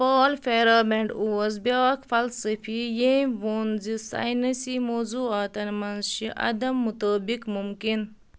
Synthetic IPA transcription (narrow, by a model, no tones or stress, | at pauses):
paːlfeːɾaːbẽɳɖuɐzbaːkfɐlsɐfijeʋonzisa̰ːjnɐsimoːzuːaːt̪ɐnmɐnzʃiʔɐ̰d̪ɐmːut̪oːbikmumkin